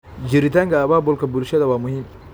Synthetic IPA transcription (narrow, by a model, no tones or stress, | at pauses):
d͡ʒɪɾit̪aːŋkɐːβaːbʊlkɐbʊlʃɐðɐwaːmʊhim